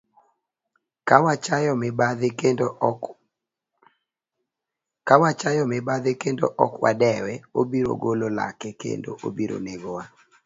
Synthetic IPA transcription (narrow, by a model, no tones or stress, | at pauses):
kawat͡ʃajɔm | kawat͡ʃajɔmɪbad̪ɪkendo̰ʔɔ̰kwa̰dɛwɛobiɾo̰ɡolola̰kɛkḛndo̰ʔobiɾo̰neɡowa